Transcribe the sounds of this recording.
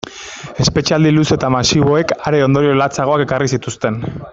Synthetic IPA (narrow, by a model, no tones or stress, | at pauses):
e̞spe̞t͡ʃald̪iluse̞t̪amasiβ̞o̞e̞kaɾe̞o̞nd̪o̞ɾio̞lat͡saɣ̞o̞ake̞karisit̪ust̪e̞n